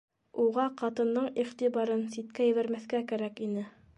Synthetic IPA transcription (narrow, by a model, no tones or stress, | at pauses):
uʁɑqɑt̪ɤ̆nd̪ɤɴiχt̪iβɑɾɤnsit̪̚kæjɘ̆βæɾmæθkækæɾækinɘ